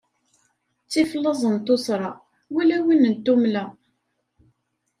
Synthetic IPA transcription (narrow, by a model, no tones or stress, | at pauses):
t͡sːiflːɑzˤənt̪osɾˤɑ | wilæwinənt̪ːumlæ